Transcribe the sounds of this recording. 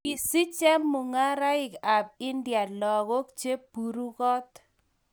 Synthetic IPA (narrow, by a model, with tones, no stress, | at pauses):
i˨si˦t͡ʃɛ˦mːʊ˨ŋa˦ɾa˦ɪ˨ka˨b̚ɪ˦ndja˨lɔ˨ɣo˦k̚t͡ʃe˦pu˨ɾu˦kɔ˦t̪